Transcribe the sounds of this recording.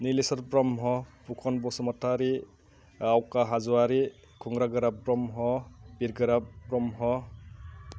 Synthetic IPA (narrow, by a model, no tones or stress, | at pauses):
nilesɔɾpɾɔmɦɔpukʰɔnbɔsɔmɔtʰːaɾi | awkaɦazɔwaɾi | kʰɔŋɡɾaɡɯɾapɾɔmɦɔbiɾɡɯɾapɾɔmɦɔ